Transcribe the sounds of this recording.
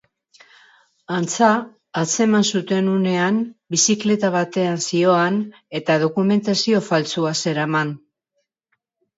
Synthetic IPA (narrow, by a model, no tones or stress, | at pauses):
ant͡saː | t͡se̞mansut̪e̞nune̞anbisikle̞t̪aβ̞at̪e̞ansio̞an | e̞t̪að̞o̞kume̞nt̪asio̞falt͡suase̞ɾaman